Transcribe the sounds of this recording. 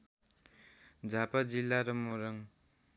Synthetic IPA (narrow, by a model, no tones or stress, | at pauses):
d͡zʱapad͡zilːaɾʌmoɾʌŋ